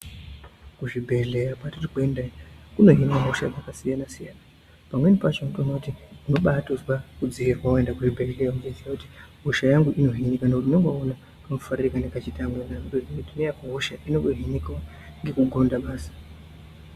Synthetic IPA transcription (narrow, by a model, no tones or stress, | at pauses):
kuʐibʱe̞ɮe̞japatitikendakuno̞ɦinaɦoʃad͡zakasijanasijaːna | pamwe̞nipat͡ʃonutonakutiuno̞ɓatoswakud͡ziirwaue̞ndakuʐibʱe̞ɮejauɡoziakuti̥ɦoʃajaŋɡuʔino̞ɦinikanakutunoŋɡoona | kunofaririkanekat͡ʃitamwenamudozinitinejakuɦoʃaʔino̞ɡoɦinikao | ŋɡe̞kuɡʱo̞ndaɓaːsḁ